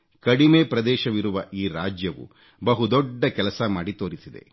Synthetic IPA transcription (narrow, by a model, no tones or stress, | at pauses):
kɐɽimeːpɾɐd̪ɛːʃɐʋiɾuʋɐʔiːɾaːd͡ʒjɐʋṵ | bɐɦud̪ɔɖːɐkɛlɐsɐmaːɽit̪oːɾisid̪ḛ